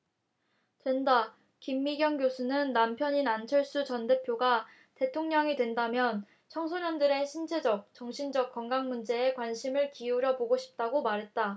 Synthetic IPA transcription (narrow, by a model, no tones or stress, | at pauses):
t͡ɕwenda | kimːiɡjʌŋɡjosʰunɯnːampʰjʌɲinant͡ɕʰʌɭs͈ut͡ɕʌnde̞pʰjoɡa | te̞tʰoŋɲʌŋidwe̞ndamjʌn | t͡ɕʰʌŋsʰoɲʌndɯɾe̞ɕʰint͡ɕʰe̞d͡ʑʌk̚t͡ɕʌŋɕʰind͡ʑʌk̚k͈ʌŋɡaŋmund͡ʑe̞ːkwanɕʰimɯɭkiuɾjʌboɡoɕʰi̥p̚t͈aɡomaɾɦe̞t̚t͈a